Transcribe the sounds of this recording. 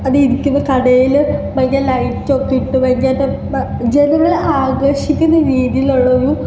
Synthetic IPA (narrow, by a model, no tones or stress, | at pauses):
ɐðɨiɾikʲːunːɐkɐɽɐjilʋɐɲːaːlɐjtːot̪ːiʈːɨʋɐɲːaːʈːɨ | d͡ʑenɐmɐleaːɡɾɐʂikʲːunːɐɾiːðijiloɭːɐju